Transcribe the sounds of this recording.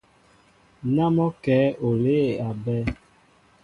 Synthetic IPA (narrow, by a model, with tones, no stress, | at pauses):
na˦mɔ˦kɛː˨˦ʔo˨le˦˨a˨bɛ˦